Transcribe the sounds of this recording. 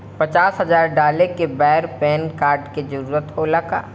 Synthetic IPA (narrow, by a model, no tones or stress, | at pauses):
pɐt͡ʃaːsɦɐzaːɾɖaːlekebɛɦɾpɛːnkaːɾɖked͡ʒɐɾuːɾət̪ɦoːlaka̰ː